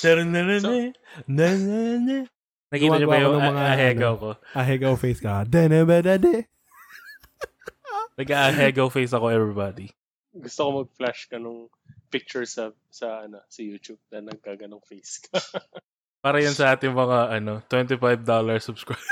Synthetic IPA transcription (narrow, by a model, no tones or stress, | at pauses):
ɛɾonɛɾonɛnɛnɛnɛ | nɐkiːɐɲobɐjʊŋnɐmɐŋaɐɦɛɡɐkoʔɐɦɛɡɐofejskɐd̪ɛnɛbɛd̪ɛd̪ɛ | nɐɡ̚ʔaʔɐɦɛɡɐfejsɐko̞ɛvɹibaːd̪i | ɡʊst̪okomɐɡ̚flaʃkɐnʊŋ | pɪk̚t͡ʃʊɹsɐ | sɐʔɐnosɐjuːt̪ub̚nɐnɐɡ̚kaɡɐnoŋfejskʰɐ | paːɾɐjʊnsɐʔaːt̪ɪŋmɐŋaʔɐno̞t̪wɛnt̪ɪfajvd̪olɐɹsʊb̥skɹaj